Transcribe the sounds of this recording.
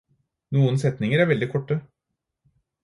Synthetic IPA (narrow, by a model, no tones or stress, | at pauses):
nuːənsɛt̪nɪŋəɾæɾʋɛld̪ɪkʰɔʈːə